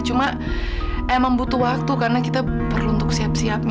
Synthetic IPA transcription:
t͡ʃuma | ʔemaŋbut̪uwak̚t̪ukarnakit̪apərluunt̪ʊksiapsiap̚ɲ

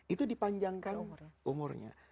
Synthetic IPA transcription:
it̪udipaɲd͡ʒaŋkanumʊrɲa̰

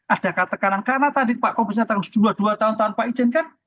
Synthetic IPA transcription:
ʔad̥akat̪əkanankarnat̪adipaʔkobət͡ʃat̪aksd͡ʒulad̥uat̪aʊnt̪aʊnpaʔi̥d͡ʒɛnkan

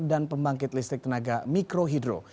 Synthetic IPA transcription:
danpəmbaŋkɪt̪list̪ɾɪk̚t̪ənaɡamikɾoɦidɾo̰

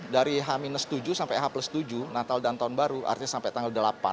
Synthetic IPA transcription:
daɾiɦaminəsət̪ud͡ʒusampajɦapləst̪ud͡ʒunat̪aldant̪aunbaɾuʔa̰rt̪iɲasampɛjt̪aŋɡəldəlapa̰

